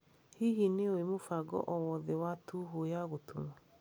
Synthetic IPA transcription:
hiɦineoemofaɡɔ̰ʔɔwɔðɛwatʰuɦojaɣotʰoma

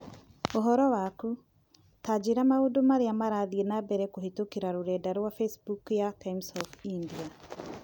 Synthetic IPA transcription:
oɦɔɾɔwaku | tad͡ʒeɾamaodomaɾeamaɾaðiɛnabɛɾɛkohetokeɾaɾoɾɛːdaɾwafɛsbukjakaimsɔfindia

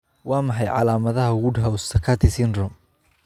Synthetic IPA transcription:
wɑːmɑħɑjʕɑ̰laːmɐðɐɦɐwʊɖɦɐwst̪ʰɐkʰɐt̪ʰɪsɪnrɔm

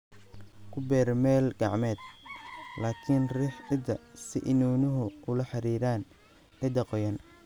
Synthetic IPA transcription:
kʰʊbɛːɾmɛːlɡɑʕmɛːd̪ | laːkʰɪnrɪħɪd̪ɐsɪʔɪnuːnʊɦʊʔʊlɐħɑɾiːɾaːn | ʕɪd̪ɐqɔjɐn

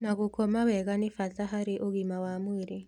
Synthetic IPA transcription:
naɣukɔmawɛɣanifataɦaɾiʔoɡimawamwiɾe

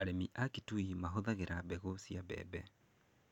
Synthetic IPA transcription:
aɾɛmiʔakituimaɦoðaɣeɾabɛɣosjabɛ̰bɛ

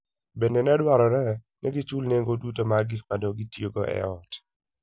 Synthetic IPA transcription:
benenɛdwaɾɔɾɛ | nʔɛɡit͡ʃulneŋɡodutomaɡikmadoɡitjoɡoʔɛ̰ɔt

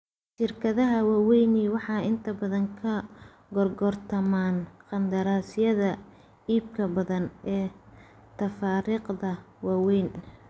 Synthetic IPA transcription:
ʃɪrkʰɐðɐɦɐwaːwɛjniwɑħɑːɪnt̪ʰɐbɐðɐŋkʰɐ | ɡɔrɡɔrt̪ʰɐmaːnqɑnd̪ɐɾaːsɪjɐðɐ | iːbkʰɐbɐðɐnɛː | t̪ʰɐfaːɾiːqd̪ɐwaːwɛjn

